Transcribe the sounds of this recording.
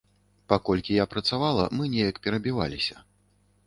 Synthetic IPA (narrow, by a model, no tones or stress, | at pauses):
pakɔlʲkʲijapɾɐt̪savalˠɐ̰mɨnʲɛjɐkpʲɛɾɐbʲiva̰lʲisʲɐ